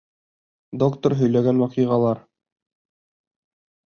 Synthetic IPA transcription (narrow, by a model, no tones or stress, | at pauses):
d̪okt̪oɾɦɵ̆jlæɡænwɑqijʁɑlˠɑɾ